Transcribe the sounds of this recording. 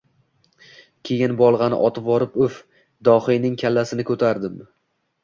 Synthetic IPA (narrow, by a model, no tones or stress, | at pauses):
kʲʰe̞jɪnbɒlˠʁɑnɪ̰ʔɒt̪ʰɪpvɒɾɪpʊf | d̪ɒhijnɪŋkʲʰalːasɪnɪkʰɵt̪ʰaɾd̪ɪm